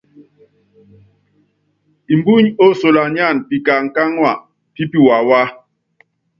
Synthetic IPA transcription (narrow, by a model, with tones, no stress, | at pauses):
i˨mbu˦ɲo˦so˨la˨ɲa˦˨npi˨ka˨ŋ̩˨ka˦ŋwa˨ | ti˦pi˦wa˨wa˦